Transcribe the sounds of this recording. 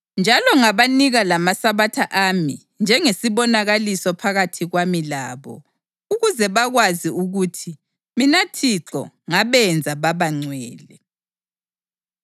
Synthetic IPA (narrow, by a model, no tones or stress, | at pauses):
nd͡ʒʱalɔŋaβaniɣalamasaβatʰaʔami | nd͡ʒʱɛŋesiβɔnaɣalisɔpʰaɣatʰiɣwamilaːβɔ̰ | uɣuzɛβaɣwaziuɣuːtʰi | minatʰiǁɔ̰ŋaβɛnd͡zʱaβaβaŋ͡ǀwɛːlɛ